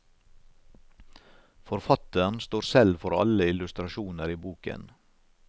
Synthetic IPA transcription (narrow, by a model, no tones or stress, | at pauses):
fɔɾfɑt̪əɳst̪oːɾsɛlfɔɾɑ̰ləɪlʉst̪ɾɑʃuːnəɾiːbuːkə̰n